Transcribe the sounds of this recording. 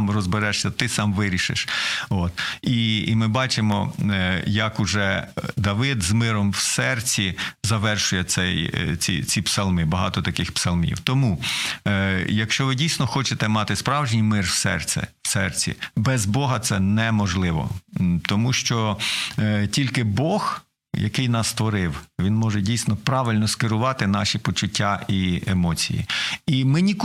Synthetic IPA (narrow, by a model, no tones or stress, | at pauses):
mrɔzbeɾɛʃsʲɐt̪ɪsɑmʋɪɾʲiʃɪ̰ʃot̪iimɪbɑt͡ʃɪmɔ | jɐkʊʒɛd̪ɐʋɪd̪zmɪɾɔmwsɛrt͡sʲizɐʋɛrʃʊjɛsɛjt͡sʲḭt͡sʲipsɐlˠmɪbɐɦɑt̪ɔt̪ɐkɪxpsɐlˠmʲḭwt̪ɔmu | jɐkʃt͡ʃɔʋɪdʲijsʲnɔxɔt͡ʃet̪ɛmɑt̪ɪspɾɑwʒnʲijmɪrwsɛ̰rt̪sɛ̰wsɛrt͡sʲḭbɛzbɔɦɐt̪sɛnɛmɔʒlˠɪʋɔ̰t̪ɔmuʃt͡ʃɔ | tʲilʲkɪbɔx | jɐ̰kɪjnɑsːt̪ʋɔɾɪwʋʲinmɔʒɛdʲijsnɔpɾɑʋɪlʲnɔskɪɾʊʋɑt̪ɪnɑʃipɔt͡ʃʊtʲːaʔiemɔt͡sʲḭjḭimɪnʲik